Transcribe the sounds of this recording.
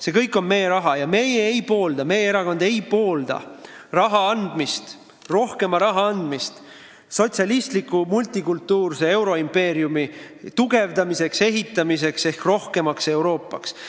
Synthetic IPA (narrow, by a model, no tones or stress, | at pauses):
se̞kɤjkːˑo̞nme̞jeɾɑɦɑjɑme̞jeejpo̞ːld̪̥ɑme̞jeeɾɑko̞nd̪̥e̞jpo̞ːld̪̥ɑ̰rɑɦɑɑnd̪̥mist̪ | ro̞hke̞mɑɾɑɦɑɑnd̪̥mist̪ | so̞t̪ʲsiɑlist̪likːˑumult̪ːˑikult̪ːˑuːrsee̞wɾo̞impe̞ːɾjumit̪uɡe̞vd̪ɑmise̞kse̞ɦit̪ːˑɑmis̬e̞kse̞hkro̞hke̞mɑkse̞wɾo̞ːpːˑɑ̰ks